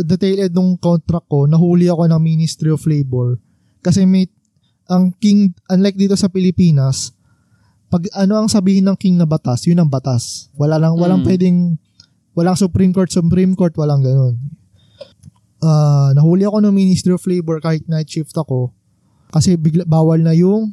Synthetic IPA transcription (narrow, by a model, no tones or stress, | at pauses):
d̪ɛt̪ejlɛd̪̚nʊŋkont̪ɾɐkːo̞nɐɦuːlɪɐko̞nɐŋminɪst̪ɾioflejbɛɹ | kɐsɛmɐj | ʔɐŋkiŋʔɐnlajk̚d̪iːt̪o̞sɐpɪlɪpiːnɐs | pɐɡʔɐno̞ʔɐŋsɐbiːhɪnːɐŋkiŋnɐbɐt̪asjʊnːɐŋbɐt̪aswɐlanɐŋwɐlaŋpwɛd̪ɛŋ | wɐlaŋsʊpɾimkoɹt̪sʊpɾimko̞ɹt̪̚wɐlaŋɡɐno̞n | ʔaːnɐhuːlɪʔɐko̞nɐŋminɪst̪ɾioflejbɛɹkaːhɪt̪̚nɐjt̪t͡ʃɪft̪ɐko̞ | kɐsɛbɪɡlbaːwɐlnɐjʊŋ